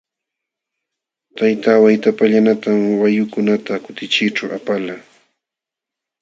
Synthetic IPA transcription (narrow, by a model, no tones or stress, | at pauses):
t̪ajt̪awajt̪apaʎanat̪amwajʊkʊnat̪akʊt̪ɪt͡ʃɪʈ͡ʂawa̰pala